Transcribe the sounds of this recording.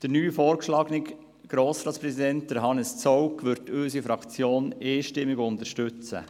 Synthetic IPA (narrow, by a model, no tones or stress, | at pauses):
d̥əɾnyːfɔːɾkʃlɑːɡnɪk | ɡ̥ɾoːsɾɑːtt͡spɾɛsidɛnt̚d̥əɾɦɑnəst͡sɔwkʰʋʏɾtøːsifɾɑkt͡sjoːneːʃtɪmːɪɡʊnt̪əɾʃtʉt͡sə̰